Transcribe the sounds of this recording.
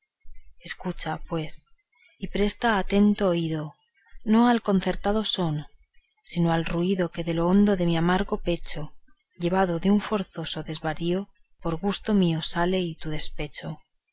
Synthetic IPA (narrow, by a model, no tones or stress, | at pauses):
e̞skut͡ʃapwe̞s | ipɾe̞st̪aːt̪e̞nt̪oːiðo̞ | no̞alko̞n̟θe̞ɾt̪aðo̞so̞n | sinoalruiðo̞ke̞ðe̞loond̪o̞ðe̞miamaɾɣo̞pe̞t͡ʃo | ʎe̞β̞að̞o̞ðeuɱfo̞ɾθo̞so̞ðe̞zβaɾio | po̞ɾɣust̪o̞mio̞sale̞it̪uð̞e̞spe̞t͡ʃo